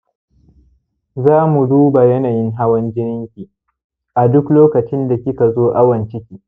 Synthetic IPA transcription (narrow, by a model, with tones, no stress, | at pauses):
zaː˦mu˨duː˦ba˨jɐ˦naː˨jɪ˦ŋɦa˦wɐ˦nd͡ʒɪ˦nɪ˦ŋkʲiː˨ | ʔa˨dʊ˦kloː˦kɐ˨t͡ʃɪ˦nda˨kʲɪ˦ka˨zoː˦ʔa˦wɐ˨nt͡ʃɪ˦kʲiː˨